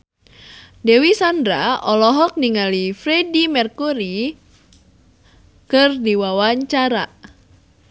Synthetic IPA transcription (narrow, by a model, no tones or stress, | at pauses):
dɛwisandɾa̰ɔlɔɦɔk̚niŋalifɾɛdimɛrkuɾi | kɨrdiwawaɲt͡ʃaɾa